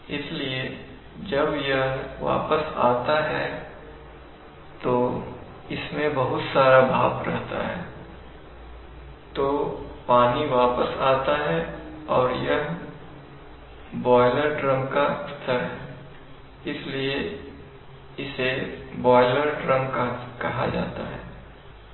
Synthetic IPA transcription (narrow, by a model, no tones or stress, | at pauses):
ɪslie | d͡ʒɐbjəɦʋa̰ːpəsa̰ːt̪aɦɛː | t̪oː | ɪsmẽbɐɦʊt̪saːɾabʱaːbɾɛɦt̪a̰ɦɛ̰ː | t̪oːpaːniʋaːpəsaːt̪aɦɛɔːɾjɐɦ | bɔːɪləɾɖɾɐ̃mkaɪst̪ʰəɾɦɛː | ɪslie | ɪsebɔːɪləɾɖɾɐ̃mkakɐɦa̰d͡ʒa̰ːt̪a̰ɦɛː